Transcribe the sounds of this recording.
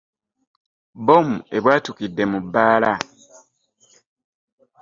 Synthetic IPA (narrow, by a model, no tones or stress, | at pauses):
bomue̞βwaːtukidːe̞mubːaːla